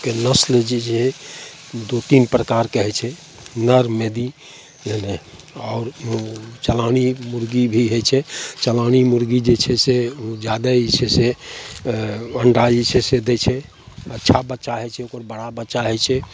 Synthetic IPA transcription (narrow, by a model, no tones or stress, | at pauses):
kenəsld͡ʒed͡ʒɛ | d̪ot̪inpɾəkaɾkeɦɛt͡ʃʰɛ | nəɾmed̪i | d͡ʒene | ɔːɾ | t͡ʃəlanimuɾɡibʱiɦet͡ʃʰɛt͡ʃəlañimuɾɡid͡ʒet͡ʃʰɛsed͡ʒad̪ait͡ʃʰese | əɳɖait͡ʃʰesed̪et͡ʃʰɛ | ətːʃʰabətːʃaɦɛt͡ʃʰɛokəɾbəɽabətːt͡ʃaɦɛt͡ʃʰɛ